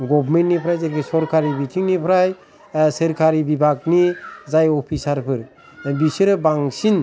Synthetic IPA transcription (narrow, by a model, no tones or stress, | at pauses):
ɡɔbɾmentnipʰɾajzaɡisɔɾkʰaɾibitʰiŋnipʰɾaj | sɯɾkʰaɾibibʱaɡ̚nizajɔpʰisaɾpʰɯɾ | bisɯɾɯbaŋsin